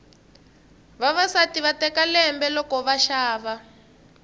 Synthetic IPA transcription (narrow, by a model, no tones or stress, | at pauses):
βaβasatiβatɛkalɛmbɛlɔkɔβaʃaːβa